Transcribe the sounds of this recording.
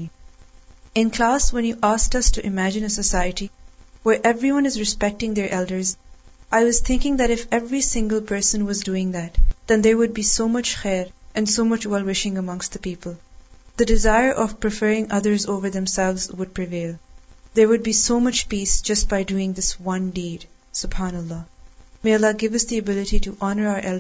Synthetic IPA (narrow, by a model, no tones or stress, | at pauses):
ɪ̃nkʰl̥æːswɛ̃njuʔas̚tʌstuʔɨɪmæd͡ʒɨ̃nəsəsaɪəɾiwəɹʔɛvɹiwʌ̃nɨzɹɨspɛk̚tɪ̃ŋðəɹʔɛldə˞zʔaɪwʌz̥t̪ʰɪ̃ŋkɪ̃ŋðæɾɨfɛvɹisɪ̃ŋɡəlˠpʰɜ˞sə̃nwʌzduːɪ̃ŋðætd̪ɛ̃nd̪əɹwʊd̚biːsoːmʌt͡ʃxɛɾʔɨ̃nsoʊmʌt͡ʃwɛlˠwɪʃɪ̃ŋəmʌ̃ŋst̚ðəpiːpəl̩ˠðɨdɪzaɪə˞ʔʌv̥pɹɨfɜɹɪ̃ŋʌðə˞zoːvə˞ðɛ̃msɛlˠvzwʊd̚pʰɹɪveɪlˠðəɹwʊd̚biːsoʊmʌt͡ʃpiːsd͡ʒ̥ʌst̚b̥aɪduɪ̃ŋðɪswʌ̃ndiːd̥ | sʊb̥hanəlːɑːmeɪʌlːɑɡɪvʌsd̪iɨbɪlɨɾiɾuʔɑnə˞aʊə˞ʔɛl